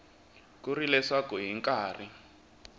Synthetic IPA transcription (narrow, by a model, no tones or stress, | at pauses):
kurilɛsakuɦiŋkaːri